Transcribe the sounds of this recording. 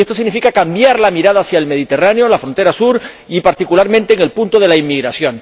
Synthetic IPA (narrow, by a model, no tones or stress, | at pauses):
est̪os̬iɣnifikakambjaɾlamiɾaðaːsjaelme̞ðit̪e̞raneo̞lafɾo̞nt̪eɾasuɾ | ipaɾt̪ikulaɾmẽnt̪e̞ːŋe̞lpunt̪o̞ð̞e̞laimːiɣɾasjo̞n